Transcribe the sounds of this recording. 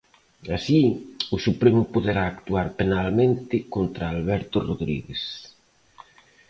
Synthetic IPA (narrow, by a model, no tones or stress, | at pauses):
asiʊsupɾɛmʊpoðeɾaːkt̪uaɾpenalmẽnt̪ɪkont̪ɾaːlβɛɾt̪ʊroðɾḭɣes